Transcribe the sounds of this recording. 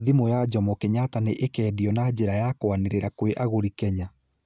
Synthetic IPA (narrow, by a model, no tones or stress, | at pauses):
ðimojad͡ʒɔmɔkɛɲataneʔekɛːdiɔnad͡ʒeɾajakwaneɾeɾakoweʔaɣoɾikɛɲa